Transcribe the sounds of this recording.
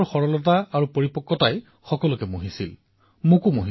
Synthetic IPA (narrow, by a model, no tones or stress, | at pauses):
xɔɹɔlɔt̬aaɹupoɹipɔkːɔtaj | xɔkɔlʊkɛmoɦisḭl | mokumoɦi